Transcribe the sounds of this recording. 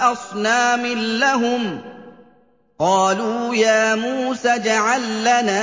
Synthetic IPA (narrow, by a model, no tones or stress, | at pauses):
ʔɑsˤnaːmɪlːaɦʊm | qɑːluːjaːmuːsaːd͡ʒaʕalːanaː